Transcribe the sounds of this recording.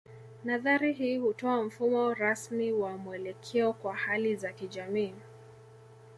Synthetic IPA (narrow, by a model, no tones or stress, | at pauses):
naðaɾiɦiːhutɔam̩fumɔɾasmiwamuɛlɛkʰɛɔkwahalizakiʄamiː